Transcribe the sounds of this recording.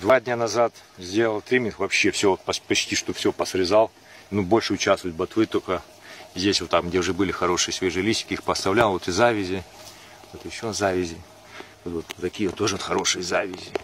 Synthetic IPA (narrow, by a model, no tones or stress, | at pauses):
d̪vadʲnʲanɐzat̪zʲdʲe̞lˠəlˠt̪ɾʲimʲɪnxvɐpɕːefsʲopɐpɐt͡ɕtʲiʂt̪ofsʲopəsɾʲɪzalˠ | nubo̞lʲʂɨʊt͡ɕast̪vəjʊt̪̚bɐt̪vɨt̪okə | zʲdʲesʲot̪ːakmɡdʲeʊʐɛbɨlʲɪxɐɾo̞ʂɨjəsʲvʲeʐɨjlʲisʲt̪ʲɪ̥kʲɪixpəst̪ɐvlʲalˠot̪ɨzavʲɪzʲɪ | ot̪ɨɪɪɕːozavʲɪzʲɪ | ot̪vot̪t̪ɐkʲijəot̪ːo̞ʐɨot̪xɐɾo̞ʂɨjəzavʲɪzʲɪ